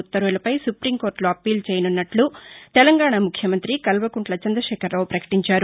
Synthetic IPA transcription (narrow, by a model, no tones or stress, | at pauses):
ut̪ːɐɾʋulɐpɐjsupɾimko̞ːɾʈloɐpiːlt͡ʃɛːjɐnunːɐʈlut̪ɛlɐŋɡaːɳamukʰjɐmɐnt̪ɾikɐlʋɐkuɳʈlɐt͡ʃɐnd̪ɾɐʃɛːkɐɾːɐwupɾɐkɐ̥ʈiɲt͡ʃaːɾu